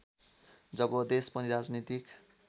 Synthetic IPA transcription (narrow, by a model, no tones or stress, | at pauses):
d͡zʌbʌd̪espʌɾiɾad͡znit̪ik